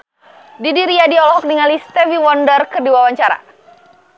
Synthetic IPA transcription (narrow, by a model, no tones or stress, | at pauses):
didiɾiadiɔlɔɦɔk̚niŋalist̪ɛviwɔndərkərdiwawaɲt͡ʃaɾa̰